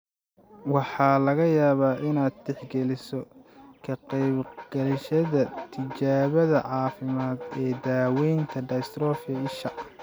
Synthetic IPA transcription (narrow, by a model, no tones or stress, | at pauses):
wɑħɑːlɐɣɐjaːβaːʔɪnaːd̪̚d̪ɛħɡɛlɪsɔkʰɐqɛjbɡ̥ɛlʃɐðɐt̪ʰɪt͡ʃaːβɐðɐ̰ʕɑːfɪmaːd̪ɛːd̪aːwɛjnt̪ʰɐɖɐjst̪ɾɔːfɐɪʃɐʔ